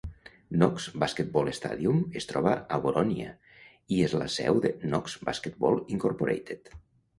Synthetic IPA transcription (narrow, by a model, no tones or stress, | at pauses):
nɔksbasket̪̚bɔlest̪a̰ðiumest̪ɾɔβaaβoɾʔɔnia̰ | iezla̰sɛ̰wðenɔksbasket̪̚bɔlˠiŋkoɾpoɾḛjt̪et̪